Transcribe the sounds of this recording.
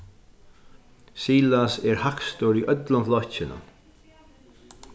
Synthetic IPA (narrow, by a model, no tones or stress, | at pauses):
siːlasɛɹhakst̪oɾiʔœt̪lʊmflɔht͡ʃɪnʊ̰n